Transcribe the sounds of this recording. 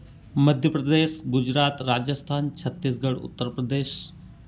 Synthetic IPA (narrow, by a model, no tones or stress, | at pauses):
məd̪ʱjəpɾəd̪eːsɡʊd͡ʒɾaːt̪ɾaːd͡ʒəst̪ʰaːnt͡ʃʰɐt̪ːisɡəɽʊ̰t̪ːəɾpɾəd̪eːʃ